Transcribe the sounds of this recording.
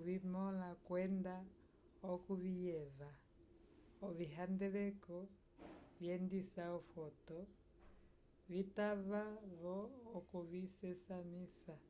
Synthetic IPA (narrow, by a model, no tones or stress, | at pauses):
vimɔlakwɛnda | ɔkuvijɛva | ɔviɦandɛlɛkɔ | vjɛndisaɔfɔtɔ | vitavaβɔːkuvisɛsamisa